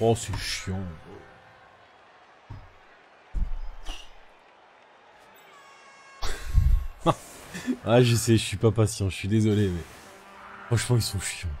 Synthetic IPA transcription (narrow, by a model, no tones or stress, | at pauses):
ɑsɛʃjɑ̃ | aʒəsɛʒəsɥipapasjɑ̃ʒəsɥid̪ezɔlemɛ | fχɑ̃ʃmɑ̃ilsɔ̃ʃjɑ̃